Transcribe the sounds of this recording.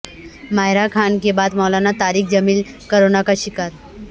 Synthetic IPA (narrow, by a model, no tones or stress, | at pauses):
majɾakʰankebad̪mɔwlanat̪aɾiːkd͡ʑəmiːl | kəɾonakaɕikaɾ